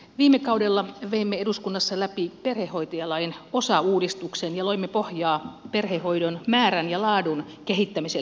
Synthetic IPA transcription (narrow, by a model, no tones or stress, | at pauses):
ʋiːmːekɑudelːɑʋeimːeeduskunːɑsːɑlæpiperhehːo̞it̪ojɑlɑino̞sɑuːdist̪uksenjɑloimːepohjɑːperheho̞idonmæːɾænjɑlɑːdun | keɦit̪ːæmise